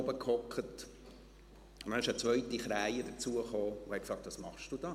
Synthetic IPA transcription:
bəkʰhɔkχət | mnɪʃət͡sʋœʏtiχɾæɪəd̥̪əɾt͡suəχoːuhɛkfsɑːk̚t̪ʋɑːsmɑχʃd̥ud̥ɑː

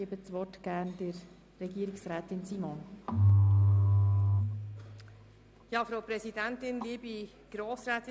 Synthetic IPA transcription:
iəbət͡sʋɔtɡ̥æɾnd̥əɾː | ɛɡiːəɾɪksræːtɪnsiːmɔn | jɑːfɾaʊpɾɛzidɛntɪnliːbi | ɡ̥ɾoːsɾɛːtɪ

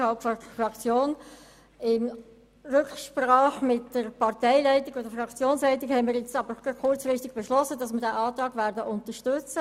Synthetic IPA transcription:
hɑlpfɔdəfrɑkt͡sjoːn | ɪm | rʉkʃprɑːχmɪtːəɾpɑʁtɛɪlɛɪtɪɡ̥odəfɾɑkt͡sjoːnslɛɪt̬ɪɡhɛɪmiɾjɛt͡sɑb̥əɾɡkʊɾt͡sfɾɪstɪɡ̥̚b̥ɛʃlɔsədɑsmədæʔɑːt̪ʁɑːɡvæːɾdəʔʊnt̪əʃtʏt͡sə

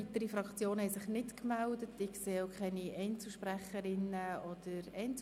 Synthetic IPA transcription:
it̪əɾifɾɑkt͡sjoːnhɛjsɪχnɪtkmældətɪkseːoʊkʰχɛniʔɛɪnt͡suʃpræχəɾɪnəɔd̥əɾɛɪnt͡s

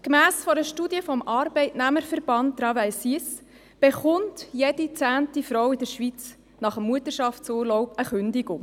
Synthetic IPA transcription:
kmæːsfɔɾəʃtuːdjəfɔmɑɾbɛɪtnæməɾfəɾb̥ɑntːɾɑvæɪsis | b̥eχʊntjedit͡sæːntifɾɔwɪdəɾʃʋit͡s | nɑχəmːuətəʃɑftt͡suːɾlɔʊbəχʏndɪɡʊŋ

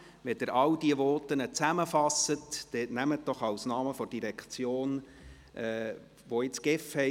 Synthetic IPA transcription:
ʋɛd̥ɪɾɑldiəʋɔːtənət͡sæməfɑsətd̥ɛtnæmət̚d̥ɔχɑwsnɑːməfɔd̥iɾɛkt͡sjoːn | ʔɛː | ʋoɪt͡sɡ̥ɪfhɛ

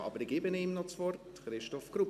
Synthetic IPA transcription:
ɑ̰ːbəɾɪɡeːbəneimnɔt͡svɔrt | χɾɪʃtɔfɡ̥rup

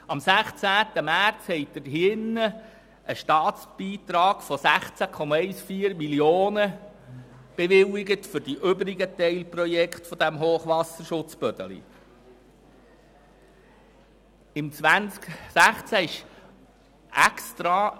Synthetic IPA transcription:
ɑmsæχt͡sæːt̪əmæɾt͡shɛɪd̥̪əɾɦɪnːə | əʃtɑːtt͡sb̥iːt̪ɾɑːɡ̥fɔsæχt͡sækʰɔmɑɛɪsfiːəɾmiljoːnə | b̥eʋɪlɪɡətfʏɾd̥iʔøbɾiɡət̪ɛɪlprɔjɛkχt̪fɔd̥̪æmɦoːχʋɑsəɾʃʊt͡sbœd̥̪ə̰lḭ | ɪmt͡sʋænksæχt͡sæɪʃ | ɛkst̪ɾɑ

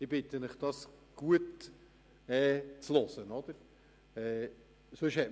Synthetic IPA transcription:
ɪbɪt̪əmɪχd̥ɑsɡ̥uət | ɛːt͡slosənɔd̪̥əɾ | ɛ | søʃhɛt

